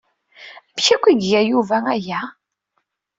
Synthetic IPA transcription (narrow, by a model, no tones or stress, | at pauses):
æbçækʷːiɡjæjuvææjæ